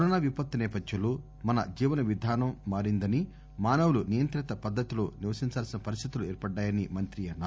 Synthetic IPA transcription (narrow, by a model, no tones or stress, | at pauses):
kɐɾɔːnaːʋipɐt̪ːɐnɛːpɐd̪ʱjɐloː | mɐnɐ̰d͡ʒiːʋɐnɐʋid̪ʱaːnɐmːaːɾind̪ɐni | maːnɐwulunijɐnt̪ɾit̪ɐpɐd̪ːɐt̪ilo̰ːniʋɐsiɲt͡ʃaːlsinɐpɐɾist̪ʰit̪uluɛːɾpɐɖːaːjɐnimɐnt̪ɾiɐnːaː